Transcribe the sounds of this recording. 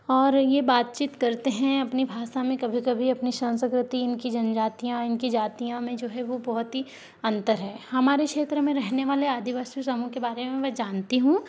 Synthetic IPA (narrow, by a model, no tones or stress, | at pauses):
ɔːɾjebaːt̪t͡ʃiːt̪kɐɾt̪eɦɛ̃ɐpnibʱaːʃamẽkɐbʱikɐbʱiɐpniʃɐ̃nsəkɾɪt̪iɪnkid͡ʒɐnd͡ʒaːt̪ijãɪnkid͡ʒaːt̪ijãmẽd͡ʒoːɦɛʋobɐɦʊt̪ɦi | ɐ̃nt̪əɾɦɛːhɐmaːɾekʃeːt̪ɾəmẽɾɛɦneʋaːleaːd̪iʋaːsjusɐmũkebaːɾemẽmɛd͡ʒaːnt̪iɦũ